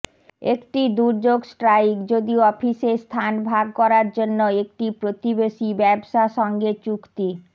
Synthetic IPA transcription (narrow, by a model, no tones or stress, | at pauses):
ekʈid̪uɾd͡ʑoɡsʈɾajkd͡ʑod̪ioɔfisest̪ʰanbʱaɡ̚kɔɾaɾd͡ʑonːoek̚ʈipɾot̪ibeʃibɛbʃaʃɔŋɡet͡ɕukt̪i